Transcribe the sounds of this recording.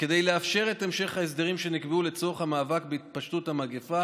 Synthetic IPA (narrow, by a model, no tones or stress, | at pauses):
ke̞dejleafʃe̞ʁe̞te̞mʃe̞χhaes̬d̪eʁimʃe̞nikbeule̞t͡so̞χhamaːvakbeit̪̚paʃtuthamaɡefa